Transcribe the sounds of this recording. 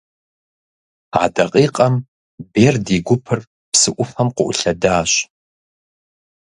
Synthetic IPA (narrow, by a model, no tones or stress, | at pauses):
a̰dɐqʼiːqʼɐm | beːrdiɡʷʊpʰɨr | psɨʔʷʊfɐmqʷʊ̰ʔʊɬɐdaːɕ